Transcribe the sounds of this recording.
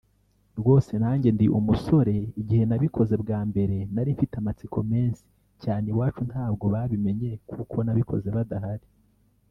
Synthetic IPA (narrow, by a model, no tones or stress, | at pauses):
ɾɡo̞ːse̞naːɲɟe̞ndiʔumuso̞ɾe̞iɟihe̞naβikʰo̞ze̞bɡaːmbe̞ɾe̞naɾiɱfitamat͡sikʰo̞me̞ːnsi̥ | caːne̞waːt͡ʃun̥thaːb̚ɡo̞βaβime̞ɲe̞kʰukʰo̞naβikʰo̞̰ze̞βadahaɾi